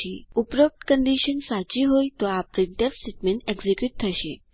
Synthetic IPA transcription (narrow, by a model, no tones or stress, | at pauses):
iupɾəp̚t̪kəɳɖiɕənsat͡ɕiɦojt̪ɔapɾiɳʈefsiʈmenʈeɡzikjuʈ̚t̪ʰəɕe